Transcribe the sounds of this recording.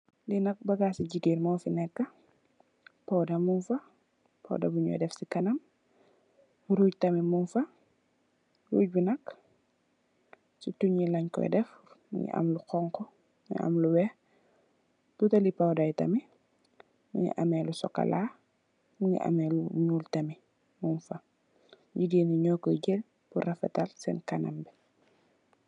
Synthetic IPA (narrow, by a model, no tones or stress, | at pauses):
linɐk̚bɐɡaːsiɟiɡiɾmɔːfinɛkːɐ | pɐwdɐmunfɐ | pɐ̰wdɐ̰buɲɔ̰jdɛfsikɐnɐm | ɾuːɟ̚tɐmimunfɐ | ɾṵːɟ̚binɐk | t͡ʃituɲilɐɲkɔ̰jdɛf | mṵɲḭʔɐ̰mluqɔŋkɔ̰ | ʔa̰mluwɛh | tutɐlipawdajtɐ̰mi | mḭɲḭʔamɛlusɔkːa̰laː | mɲḭʔa̰mɛluɲuːltɐmi | munfɐ | jidiːniɲɔkːəɟɛl | burɐfɛ̰talsɛ̰nkanɐ̰mbɛ